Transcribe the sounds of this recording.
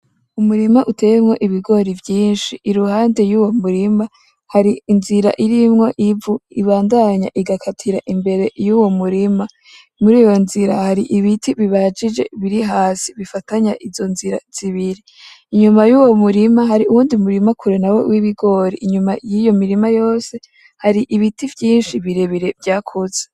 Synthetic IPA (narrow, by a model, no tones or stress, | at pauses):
umuɾimaʔute̞jemŋo̞ʔiβiɡo̞ɾivjiːnʃiʔːɾuhaːnde̞juːwo̞muɾima | haɾiːnziɾa̰ʔiɾimŋo̞ʔivuiβaːndaɲa̰ʔiɡakʰatʰiɾa̰ʔimbe̞ɾe̞juwomuɾima | muɾiːjo̞nziɾahaɾiʔiβitʰiβiβad͡ʒid͡ʒe̞βiɾiɦaːsiβifataɲaʔizo̞nziɾaz̥iβiɾi | iɲumajuːwo̞muɾimaɦaɾiuwuːndimuɾimakʰuɾenawḛwiβiɡo̞ɾiiɲumajijo̞miɾimajo̞ːse̞ | haɾiʔiβitivjiːnʃiβiɾe̞βiɾe̞vjaːkʰuze